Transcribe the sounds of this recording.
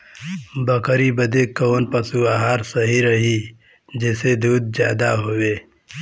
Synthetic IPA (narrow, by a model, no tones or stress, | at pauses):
bəkəɾibəd̪eːkːoːnpəsuaːɦaːɾsəɦiɾəɦi | d͡ʒeːsed̪uːd̪̚d͡ʒjaːd̪aɦoːweː